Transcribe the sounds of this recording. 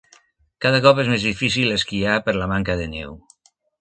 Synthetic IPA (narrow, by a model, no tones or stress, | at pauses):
kaðakɔpezmezðifis̬ileskiapəɾlamaŋkaðenɛ̰w